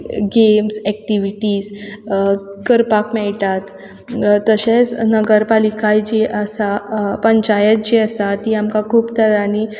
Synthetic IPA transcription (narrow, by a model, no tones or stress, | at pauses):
ɡemsɛkʈiʋiʈiːs | kəɾpakmɛɭʈ̪at̪ | t̪ːəɕẽt͡snəɡəɾpalikajd͡ʑiʔəsapəɳt͡ɕajət̪̚d͡ʑiəsat̪iamkakʰuːpt̪əɾani